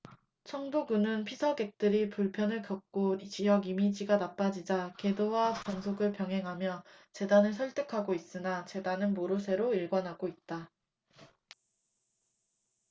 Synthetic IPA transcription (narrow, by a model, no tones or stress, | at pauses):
t͡ɕʰʌŋdoɡunɯnpʰisʰʌɡe̞k̚t͈ɯɾipuɭpʰjʌnɯɭkjʌk̚k͈ot͡ɕijʌɡimid͡ʑiɡanap͈ad͡ʑid͡ʑake̞dowapansʰoɡɯɭpjʌŋɦe̞ŋɦamjʌt͡ɕe̞danɯɭs̬ʰʌɭt͈ʰekʰaɡois͈ɯnat͡ɕe̞danɯnmoɾosʰe̞ɾoiɭɡwʌnɦaɡoit̚t͈a